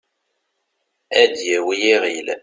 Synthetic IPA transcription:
æd̪jæwijiʁil

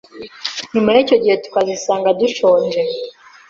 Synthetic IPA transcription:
nimaico̞ɟihe̞tu̥kazisaːŋɡaduʃoːnd͡ʒe

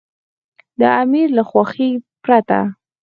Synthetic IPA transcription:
d̪əamiɾlaxwaxipɾat̪a̰

